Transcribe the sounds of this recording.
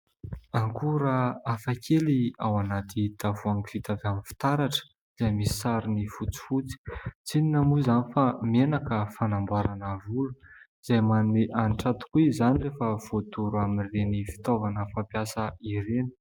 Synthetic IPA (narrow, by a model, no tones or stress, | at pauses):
aŋkuɾəafakʰeliawanat̪it̪avuaŋkfit̪avamifi̥t̪aɾaʈ͡ʂə̥ | iz̥ajmisi̥saɾinifut͡si̥fut͡si̥t͡sininəmuzanifamenakəfanambwaɾanəvuluiz̥ajmanumeʔanʈ͡ʂat̪u̥kuizanirefəv̥ot̪uɾuamirenifi̥t̪ovanəfampjasəiɾeni̥